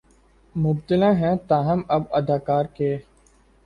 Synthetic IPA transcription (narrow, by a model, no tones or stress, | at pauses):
mʊbt̪ɪlãːɦɛ̃ːt̪ãːɦəməbəd̪aːkaːɾkeː